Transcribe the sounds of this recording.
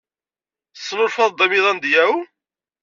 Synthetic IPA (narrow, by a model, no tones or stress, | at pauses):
sˤːnʊɾfɑðˤd̪ˤɑmiðˤɑnd̪jæw